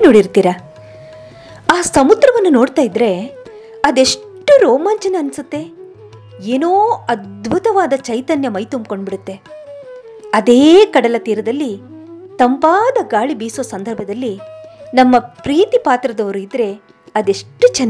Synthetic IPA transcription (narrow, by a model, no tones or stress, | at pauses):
noːɽiɾt̪iːɾɐ | aːsɐmud̪ɾɐʋɐnːuno̞ːɽt̪aːjid̪ɾe̞ | ɐd̪e̞ʂʈːuɾoːmaːnt͡ʃɐneɐnːisut̪ːe̞ | eːnoːɐd̪̚bʱut̪ɐʋaːd̪ɐt͡ʃɐjt̪ɐnjɐmɐjt̪umbko̞ɳɖbiɽut̪ːe̞ | ɐd̪e̞ːkɐɽɐlɐt̪iːɾɐd̪ɐlːi | t̪ɐmpaːd̪ɐɡaːɭibiːsoːsɐnd̪ʱɐɾbʱɐd̪ɐlːinɐmːɐpɾiːt̪ipaːt̪ɾɐd̪ɐʋɐɾuid̪ɾe̞ | ɐd̪e̞ʂʈːut͡ʃɐnː